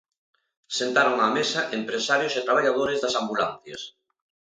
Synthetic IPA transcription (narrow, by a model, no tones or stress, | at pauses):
sent̪aɾoŋamesɐʔempɾesaɾjosɪt̪ɾaβ̞aʎaðoɾɪzðɐsambulanθjɐ̰s